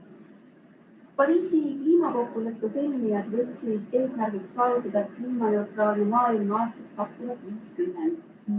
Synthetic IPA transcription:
pɑɾiːsikliːmɑko̞kːulekːˑɑselʲmijɑd̪ʋɤt̪siit̪eːsmæɾɡiksɑːvut̪ːˑɑd̪ɑet̪̚kliːmɑjot̪rɑːlimɑːilmɑɑːst̪ɑkskɑkskuɦɑt̪ʋiːskymːend̪̥

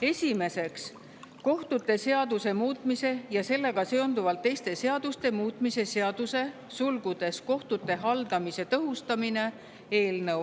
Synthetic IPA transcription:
e̞sʲime̞se̞ks | ko̞ht̪ut̪ːˑe̞se̞ɑd̪̥use̞muːt̪ˑmise̞jɑse̞lːe̞ɡ̥ɑse̞o̞nd̪uvɑlt̪ːe̞jst̪e̞se̞ɑd̪̥ust̪e̞muːt̪ˑmise̞se̞ɑd̪̥use̞ | sulɡ̥ud̪̥e̞sko̞ht̪ut̪ːˑe̞ɦɑld̪̥ɑmise̞t̪ɤɦust̪ɑmine̞ | e̞ːlnɤw

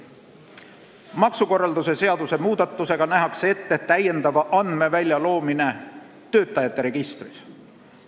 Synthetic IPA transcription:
mɑksuko̞rːɑld̪use̞se̞ɑd̪use̞muːd̪̥ɑt̪ˑːuse̞ɡ̥ɑnæɦɑksee̞t̪ːe̞t̪æje̞nd̪ɑvɑʔɑnd̪̥me̞vælʲjɑlo̞ːmine̞ | t̪ø̞ːt̪ːˑɑjɑt̪ːe̞ɾe̞ɡ̥ist̪ris

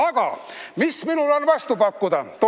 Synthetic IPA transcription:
ɑɡ̥ɑ̰ | misminulonvɑst̪upɑkːud̪ɑt̪o

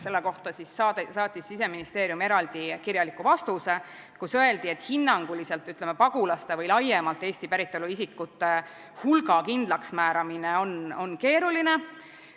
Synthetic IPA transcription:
se̞lːeko̞ht̪ɑsisɑsɑːt̪ʲːˑisːise̞minist̪e̞ːɾjume̞ɾɑld̪̥ikiɾjɑlikːuvɑst̪use̞ | kusø̞e̞ld̪̥ie̞t̪hinːɑŋɡ̥ulise̞lt̪yt̪ˑlemepɑɡulɑst̪e̞vɯjlɑjemɑlt̪ːˑe̞ːsʲt̪ipæɾit̪ːˑoluisikːˑut̪ːˑe̞ | hulɡɑkind̪̥lɑksmæːɾɑmine̞o̞no̞nke̞ːɾuline̞

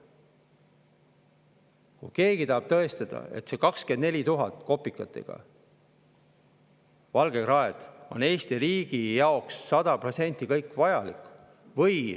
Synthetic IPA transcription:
kṵjke̞ːɡ̥it̪ɑɦɑb̥t̪ɤest̪ɑd̪̥ɑ̰e̞̰t̪se̞ːkɑkske̞nd̪ne̞lʲit̪uɦɑt̪ːˑko̞pːˑikːˑɑt̪ːˑe̞̰ɡ̥ɑ̰ | vɑlɡ̥e̞krɑed̪̥o̞̰ne̞ːst̪iɾiːɡ̥ijɑoksːɑd̪̥ɑpro̞t̪se̞nʲt̪ːˑikɤjkːˑvɑjɑlik | vɤj

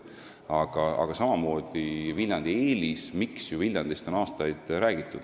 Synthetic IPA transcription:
ɑɡ̥ɑɑ̰ɡ̥ɑsɑmɑmo̞ːd̪̥ivilʲjɑnd̪̥ieːlismiksjuvilʲjɑnd̪̥ist̪o̞nɑːst̪ɑjd̪̥ɾæːɡ̥it̪ːˑud̪̥

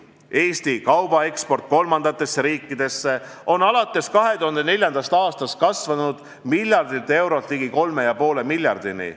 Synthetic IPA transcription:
e̞ːst̪ikɑwb̥ɑe̞kspo̞rt̪̚ko̞lmɑnd̪̥ɑt̪ːˑe̞sːeɾiːkːˑid̪̥e̞sːe̞o̞nɑlɑt̪ːˑe̞skɑɦe̞t̪uhɑnd̪ene̞lʲjɑnd̪̥ɑst̪ɑːst̪ɑst̪̚kɑsvɑnud̪̥ | milʲjɑrd̪ilt̪ːˑe̞wɾo̞t̪ˑliːɡiko̞lme̞jɑpo̞ːle̞milʲjɑrd̪̥inḭ

